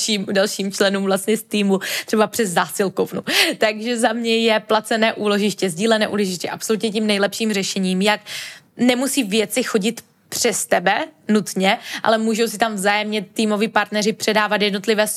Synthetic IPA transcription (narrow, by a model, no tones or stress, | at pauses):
ʃiːmdalʃiːmt͡ʃlɛnuːmvlast̪ɲɛst̪iːmut̪r̥ɛbapr̥ɛzːaːsɪlkovnut̪aɡʒɛzamɲɛjɛplat͡sɛnɛːʔuːloʒɪʃcɛzɟiːlɛnɛːʔṵːloʒɪʃcɛʔapsolut̪ɲɛcimnɛjlɛpʃiːmrɛʃɛɲiːmjak | nɛmusiːvjɛt͡sɪxo̞ɟɪt̪ | pr̝̥ɛst̪ɛbɛnut̪ɲɛʔa̰lɛmuːʒowsɪt̪amvzaːjɛmɲɛt̪iːmo̞vɪpaɾt̪nɛɾɪpr̥ɛdaːvat̪jɛdno̞t̪lɪvɛːs